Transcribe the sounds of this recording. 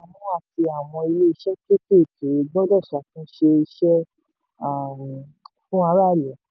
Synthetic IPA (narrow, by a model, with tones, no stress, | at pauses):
a˨mũ˦a˦˨ti˧a˨w̃ɔ̃˧i˧le˦i˧ʃɛ˦ke˦ke˦˨tu˨ɾi˨˧ɡ͡bɔ˦dɔ˦˨ʃa˨fũ˦ʃe˧i˧ʃɛ˦ | a˦˨ | fũ˦a˧ɾa˦˨lɛ˨